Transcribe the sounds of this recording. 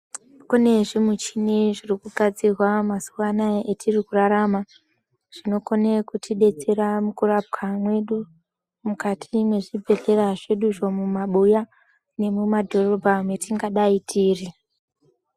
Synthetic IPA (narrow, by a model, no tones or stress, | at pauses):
kune̞ʐimut͡ʃineʐirikuɡʱad͡zirwamasuwanaetʰirikuraɾama | ʐ̥ino̞ko̞ne̞kutʰiɗe̞t͡se̞ɾamukurap̚kamwe̞ɗu | mukatʰimwe̞ʐibʱe̞ɬe̞raʐe̞ɗuʐo̞mumaɓuja | ne̞mumadʱo̞ro̞bʱamwe̞tʰiŋɡaɗaitʰiːri